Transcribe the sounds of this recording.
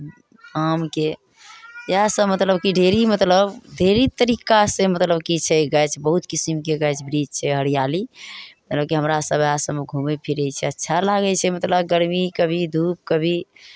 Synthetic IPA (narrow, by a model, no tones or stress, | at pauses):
amke | jasəmət̪ləbkiɖʱeɾimət̪ləbɖʱeɾit̪əɾikasẽmət̪ləbkit͡ʃʰɛɡəjt͡ʃʰbəɦut̪kisimkeɡət͡ʃʰbɾid͡ʒt͡ʃʰɛɦəɾijalimət̪ləbkiɦəmɾasəbʱasəbeɡʱumepʰiɾɛt͡ʃʰɛətːʃʰalaɡɛt͡ʃʰɛmət̪ləbɡəɾmikəbʱid̪ʱup̚kəbʱi